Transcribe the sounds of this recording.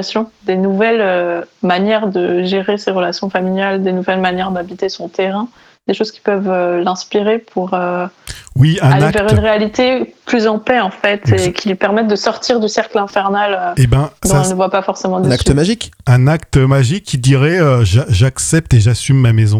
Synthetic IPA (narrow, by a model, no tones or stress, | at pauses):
sjɔ̃d̪enuvɛlømanjɛʁd̪əʒeʁeseʁəlasjɔ̃familjald̪enuvɛlmanjɛʁd̪abit̪esɔ̃t̪eʁɛ̃ | d̪̥eʃoz̥kʲi̥pœvølɛ̃spiʁepʰuʁø | wiɛ̃aleavɛʁynʁealit̪eplyzɑ̃pɛɑ̃fɛt̪ekʲʰilɥipɛʁmɛt̪̚d̪əsɔʁt̪ʰiʁd̪ysɛʁklɛ̃fɛʁnaløebjɛ̃d̪ɔ̃nəvwapafɔʁsemɑ̃d̪ẽakt̪maʒikɛ̃nak̚t̪əmaʒikʰʲːid̪iʁɛøʒaʒaksɛp̚t̪eʒasymːamɛzɔ̃